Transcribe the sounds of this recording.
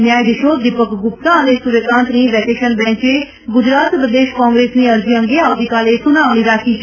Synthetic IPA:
njaːjd̪ɪʃoːd̪ɪpəkɡʊp̚t̪ãːəneːsuɾekãːnt̪nĩːʋɛːkeːʃənbɛ̃ːɲt͡ʃeː | ɡʊd͡ʒɾaːt̪pɾəd̪eːʃkãːŋɡɾeːsnĩːəɾd͡ʒiə̃ŋɡeːaːd̪iːkaːleːsʊnaːʋñiːɾaːkʰiːt͡ʃ

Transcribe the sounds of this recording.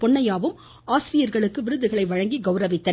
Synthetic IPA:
pɔɳːɐjaːʋɯm | aːsɪɾɪjɐɾɣɐɭɯkːɯʋɪɾɯðɯɣɐɭɐɪʋɐɻɐŋɡiɡɐʊɾɐʋɪt̪ːɐ

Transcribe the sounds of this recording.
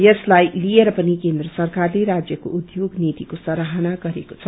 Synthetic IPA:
jʌslajlieɾʌpʌnikend̪rʌsʌrkarleɾad͡zjʌko̰ʔud̪joɡnet̪ikosʌɾaɦʌnaɡʌɾeko̥t͡sʰʌ

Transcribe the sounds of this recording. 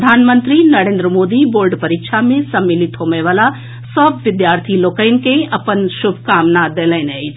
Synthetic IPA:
d̪ʱaːnmə̃nt̪ɾinɐɾẽːnd̪ɾəmoːd̪iboːɾɖpəɾɪkʃamẽsɐmːɪlɪt̪ɦomeʋaːla | sɔbʋɪd̪jaːɾt̪ʰiloːkəɪnkeɐpənʃʊbʱkaːmnad̪eːlɛnei

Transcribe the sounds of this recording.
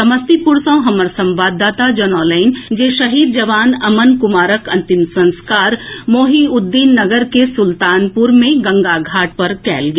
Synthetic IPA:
ɐməst̪ipʊɾsõɦɐməɾsɐ̃mʋaːd̪ːaːt̪ad͡ʒɐnɔːləɪnd͡ʒeːʃɐɦiːd̪̚d͡ʒɐʋaːnɐmənkʊmaːɾəkɐ̃nt̪ɪmsɐ̃nskaːɾmoːɦiʊd̪ːiːnːɐɡəɾkesʊlt̪aːnpʊɾmẽɡɐ̃ŋɡaɡʱaːʈ̚pɐɾkɛ̰ːlɡ

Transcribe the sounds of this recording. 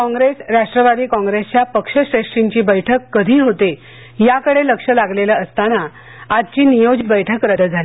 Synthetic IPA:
kɔ̃ŋɡɾesɾaʂʈɾəʋad̪iːkɔ̃ŋɡɾest͡ɕjapəkʂəɕɾeʂʈiɲt͡ɕiːbəjʈʰəkːəd̪ʱiːɦot̪e | jakəɽeləkʂəlaɡleləəst̪ana | ad͡ʑt͡ɕiːnijod͡ʑit̪̚bəjʈʰəkɾəd̪ʱəd͡zʱali

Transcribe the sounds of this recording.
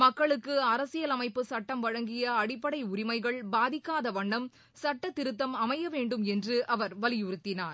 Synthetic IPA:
mɐkːɐɭɯkːɯɐɾɐsɪjɐlɐmɐɪpːɯsɐʈːɐmʋɐɻɐŋɡɪjɐːɽɪpːɐɽɐɪʊɾɪmɐɪɣɐɭbaːðɪkːaːðɐʋɐɳːɐm | sɐʈːɐt̪ːɪɾɯt̪ːɐmɐmɐjɐʋeːɳɖɯmɛndrɯʔɐʋɐɾʋɐlɪjʊɾɯt̪ːɪnaːɾ

